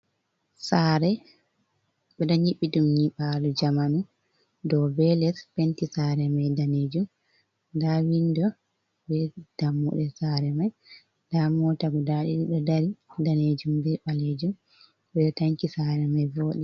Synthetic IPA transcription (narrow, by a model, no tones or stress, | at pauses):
saːɾɛ | ɓɛɗɔɲiɓːiɗumɲiɓalɔd͡ʒamanu | dɔbɛlɛspɛntisaɾɛmajdaned͡ʒum | dawindɔ | bɛd̥amːṵɗɛsaɾɛmaj | damɔtaɡɔdaɗiɗiɗɔdaɾidaned͡ʒumdɛɓaled͡ʒum | ɓɛɗɔtaɲkisaɾɛmajvɔːɗɛ